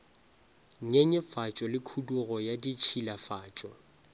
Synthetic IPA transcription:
ɲɛɲɛfat͡ʃʼɔlɪkʰuduɣɔjadit͡ʃʰilafaːt͡ʃʼɔ

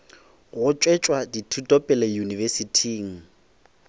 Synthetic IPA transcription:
ɣʊt͡ʃʼwet͡ʃʼwaditʰutʼɔpʼɛlɛjunivesitʰiːŋ̩

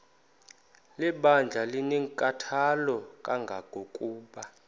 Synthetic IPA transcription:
lɛɓand͡ɮʱalineŋkʼatʰalɔkʼaŋɡʱakokʼuːɓa

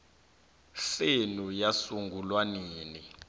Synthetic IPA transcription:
senujasuŋɡʱulwaniːni

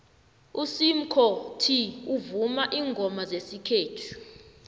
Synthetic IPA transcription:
usim̩kʰɔtʰiuvumaʔiːŋɡʱɔmazesikʰeːtʰu̥

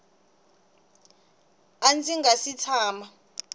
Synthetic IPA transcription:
ant͡sʼiŋɡasitʰaːma

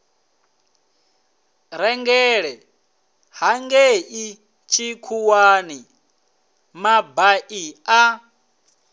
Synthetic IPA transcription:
ɾɛŋɡɛɺɛ | haŋɡeʔi | t͡ʃʰikʰuwani | mabaʔia

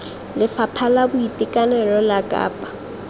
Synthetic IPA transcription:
lɪfapʰalabʊitʼikʼanɛlɔlakʼa̰ːpʼḁ

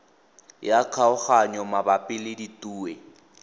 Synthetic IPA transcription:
jakʰaʊχaɲɔmabapʼɪlɪditʼuːɛ

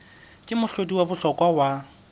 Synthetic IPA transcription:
kʼɪmʊɬediwabʊɬɔkʼwawa

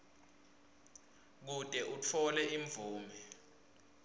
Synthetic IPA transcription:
k̬utʼɛʔut͡fʰɔlɛʔiɱvʱuːmɛ

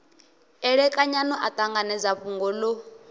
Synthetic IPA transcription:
ɛɺɛkʼaɲanɔʔat̪ʼaŋɡanɛd͡zaɸuŋɡɔlo

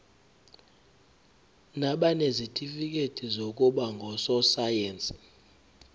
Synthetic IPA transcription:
naɓanezitʼifik̬ʼetʰʼizok̬ʼuɓaŋɡʱɔsɔsajeːnt͡sʼi̥

